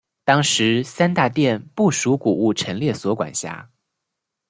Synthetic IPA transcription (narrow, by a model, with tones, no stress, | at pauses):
t̪ɑ˥ŋʂɻ̩˧˥sa˥nt̪a˥˧t̪jɛ˥˧npu˥˩ʂu˧˥ku˨˩u˥˩ʈ͡ʂʰə˧˥nljɛ˥˩swɔ˧˥kwa̰˨˩nɕja̰˧˥˩